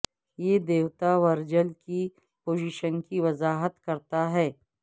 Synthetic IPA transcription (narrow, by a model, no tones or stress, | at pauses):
jed̪eːwt̪aʋɐɾd͡ʒəlki | poːd͡ʒiʃənkiʋɐzaːɦət̪kɐɾt̪aɦɛː